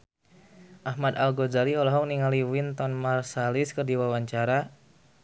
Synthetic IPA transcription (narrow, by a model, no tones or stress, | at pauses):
ʔahmad̪alɡozaliɔlɔɦɔŋniŋaliwint̪ɔnmarsalɪskərdiwawaɲt͡ʃaɾa